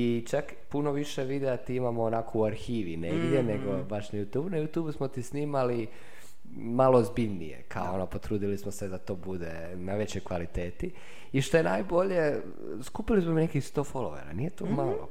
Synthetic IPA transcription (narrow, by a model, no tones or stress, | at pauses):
it͡ʃak | puno̞ʋiʃeʋid̪eat̪iimamoːnakouaɾxiːʋineɡd̪jeneɡo̞baʃnajut̪juːbunajut̪jubusmot̪isniːmali | maloːzbiʎnḭjḛkʰaonopo̞t̪ɾuːd̪ilismosed̪at̪o̞ːbud̪e̞ | naʋe̞t͡ɕojkʋalit̪e̞ːt̪i | iʃt̪o̞jenaːjbo̞ʎe̞ | skupilismominekixst̪o̞ːfo̞lo̰ʋḛɾa̰nije̞t̪omalo̰